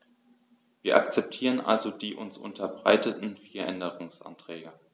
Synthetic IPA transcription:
viːɐʔa̰kt͡sɛp̚tʰiːʁ̞ənʔa̰lzodiːʔʊ̰nsʔʊ̰ntʰɐbʁa̰ɪtətn̩fiːɐʔɛndəʁʊŋsʔa̰ntʁ̥ɛːɡə

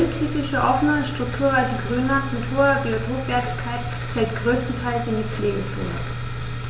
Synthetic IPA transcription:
ɪntʰyːpɪʃəʔɔfən̩əʃtʁ̥ʊk̚tʰuːɐʁasəɡʁyːnatkʰʊltʰuːɐbiothoːkv̥ɛːɐtɪçkʰaɪt | fɛlt̚ɡ̥ʁøːstn̩tʰaɪlsɪndiːp͡fleːɡət͡so̰ːnə̰

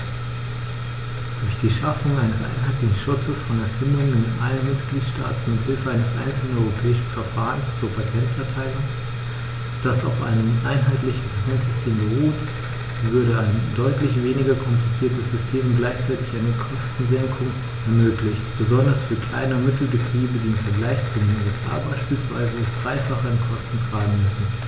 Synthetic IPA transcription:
d̥ʊɐçd̥iːʃafʊŋaɪnəsʔa̰ɪnɦaɪtlɪçn̩ʃʊt͡səsfɔnɛɐfɪndʊŋənɪnʔa̰lənmɪtɡ̥liːtʃta̰ːtn̩mɪthɪlfəaɪnəsʔa̰ɪnt͡sl̩nɔʏʁopʰɛːɪʃn̩fɛɐfaːʁənst͡suːɐpʰatʰɛntfɛɐtʰaɪlʊŋ | d̥asa̰ʊfʔa̰ɪnəmʔaɪnɦaɪtlɪçn̩pʰatʰɛntz̥ʏstʰeːmbəʁuːt | vʏɐɾəaɪndɔʏtlɪçv̥eːnɪɡɐkʰɔmplit͡siːɐtəsz̥ʏstʰeːmʊntɡ̥laɪçt͡saɪtɪçʔaɪnəkʰɔstn̩zɛŋkʰʊŋ | ʔɛɐmøːklɪçtb̥əzɔndɐsfyːɐkʰl̥a̰ɪnɐmɪtl̩bətʁ̥iːbədiːɪmfɛɐɡlaɪçt͡sudenuɛsʔa̰ːbaɪʃpiːlsv̥a̰ɪzəɛsd̥ʁaɪfaχəɪnkʰɔstn̩tʁ̥aːɡŋ̩mʏsn̩

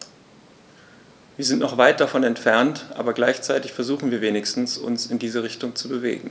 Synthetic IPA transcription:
viːɐzɪntnɔχv̥aɪt̚d̥afɔnɛntfɛɐntʔaːbɐɡlaɪçt͡saɪtɪçfɛɐzuːχn̩viːɐveːnɪçstn̩sʊ̰nsɪndiːzəʁ̞ɪçtʊŋt͡subəvḛːɡŋ̩

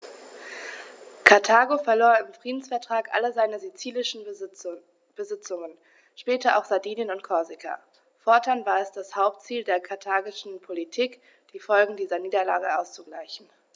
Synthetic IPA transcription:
kʰaɐtʰaːɡofɛɐloːɐɪmfʁ̥iːdn̩sfɛɐtʁ̥aːkʔa̰ləzaɪnəzit͡siːlɪʃn̩ | b̥əzɪt͡sʊŋən | ʃpɛːtɐʔa̰ʊxz̥adiːnjənʊntkʰɔɐzɪkʰa̰ | fɔɐtʰanvaːɐɛsd̥ashaʊp̚tt͡siːldeːɐkʰaɐtʰaːɡɪʃn̩pʰolitʰiːk | d̥iːfɔlɡŋ̩diːzɐniːdɐla̰ːɡəʔaʊst͡suɡlaɪçn̩

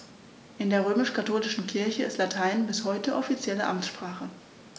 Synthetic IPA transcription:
ʔɪndeːɐʁ̞øːmɪʃkʰatʰoːlɪʃn̩kʰɪɐçəɪ̰stlatʰaɪnnbɪshɔʏtəʔɔfit͡sjɛləʔa̰mt͡sʃpʁ̥aːχə

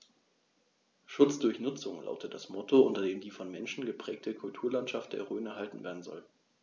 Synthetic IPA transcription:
ʃʊt͡sd̥ʊɐçnʊt͡sʊŋla̰ʊtət̚d̥asmɔtʰoʊntɐdeːmdiːfɔnmɛnʃn̩ɡəpʁ̥ɛːk̚tʰəkʰʊltʰuːɐlantʃaftd̥ḛːɐʁøːnɛɐɦaltn̩veːɐdn̩zɔ̰l

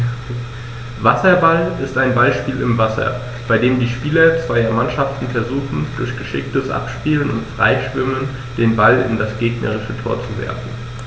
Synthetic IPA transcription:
vasɐbalʔɪstaɪnbalʃpiːlɪmvasɐ̰ | b̥aɪdeːmdiːʃpiːlɐt͡sv̥aɪɐmanʃaftn̩fɛɐzuːxn̩dʊɐçɡ̥əʃɪ̰k̚təsʔa̰pʃpiːlənʊ̰ntfʁ̥a̰ɪʃv̥ɪmən | d̥eːnbalɪ̰ndasɡ̥eːɡnə̰ʁɪʃətʰo̰ːɐt͡suvɛ̰ɐfn̩

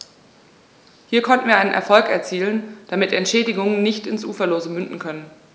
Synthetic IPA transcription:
hiːɐkʰɔntn̩viːɐʔaɪnənʔɛ̰ɐfɔlkɛɐt͡siːlənd̥amɪtɛntʃɛːdɪɡʊŋənːɪçtɪnsʔuːfɐloːzəmʏndn̩kʰœnən

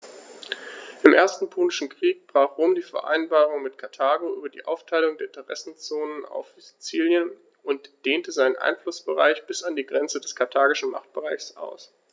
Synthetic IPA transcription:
ʔɪmʔeːɐstn̩pʰoːnɪʃn̩kʁ̥iːk̚b̥ʁ̥aːχʁ̥oːmdiːfɛɐʔa̰ɪnbaːʁ̞ʊŋmɪtkʰaɐtʰaːɡoʔyːbɐdḭːʔa̰ʊftʰaɪlʊŋdeːɐɪntʰəʁɛ̰sn̩t͡soːnəna̰ʊfziz̥it͡siːljən | ʔʊntd̥eːntəzaɪnənʔa̰ɪnflʊsb̥əʁa̰ɪçb̥ɪsandiːɡʁɛnt͡sədɛskʰaɐtʰaːɡɪʃn̩ma̰χt̚b̥əʁaɪçsʔa̰ʊs

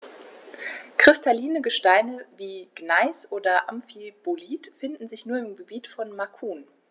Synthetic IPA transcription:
kʁ̥ɪstʰaliːnəɡəʃtaɪnəviːɡ̥naɪsʔoːdɐʔamfib̥oliːtfɪndn̩zɪçnuːɐɪmɡəbiːtfɔnmakʰuːn

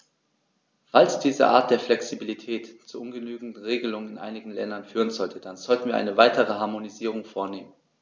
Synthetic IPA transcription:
falsd̥iːzə̰ʔa̰ːɐt̚d̥eːɐflɛksibilitʰɛːtt͡suʔʊnɡənyːɡŋ̩ʁeːɡəlʊŋənɪnʔa̰ɪnɪɡŋ̩lɛ̰ndɐnfyːʁənzɔltʰəd̥anzɔltn̩viːɐʔa̰ɪnəvaɪtəʁ̞əɦaɐmoniziːʁ̞ʊŋfoːɐneːmən

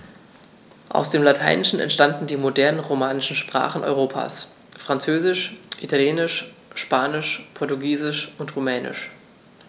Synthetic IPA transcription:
ʔa̰ʊsd̥eːmlatʰa̰ɪnɪʃn̩ɛ̰ntʃtandn̩diːmodɛɐnənʁomaːnɪʃn̩ʃpʁ̥a̰ːχn̩ʔɔ̰ʏʁ̞oːpʰa̰ːs | fʁ̥ant͡søːzɪʃʔitʰaljeːnɪʃ | ʃpaːnɪʃpʰɔɐtuɡiːzɪʃʊntʁomɛːnɪ̰ʃ

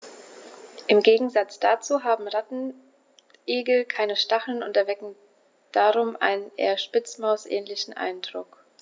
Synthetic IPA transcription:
ʔɪmɡeːɡŋ̩zat͡sd̥at͡suːɦaːbm̩ʁatn̩ | ʔeːɡl̩kʰaɪnəʃtaχl̩nʊntɛɐvɛkŋ̩ | d̥aːʁʊmʔa̰ɪnənʔḛːɐʃpɪt͡smaʊsʔɛ̰ːnlɪçn̩ʔa̰ɪndʁʊk

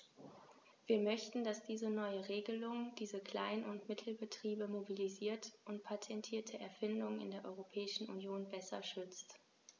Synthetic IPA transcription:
v̥iːɐmœçtn̩d̥asd̥iːzənɔʏəʁeːɡəlʊŋd̥iːzəkl̥aɪnʊntmɪtʰl̩bətʁ̥iːbəmobiliziːɐtʔʊntpʰatʰɛntʰiːɐtʰəʔɛɐfɪndʊŋnɪ̰ndeːɐʔɔʏʁopʰɛːɪʃn̩ʔunjoːnbɛsɐ̰ʃʏt͡st

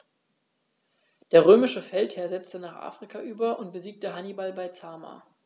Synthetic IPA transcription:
d̥eːɐʁøːmɪʃəfɛlthɛːɐzɛt͡stənaːχʔa̰ːfʁ̥ikʰaʔyːbɐʔʊnt̚b̥əziːk̚təɦanibalbaɪt͡saːma̰ː

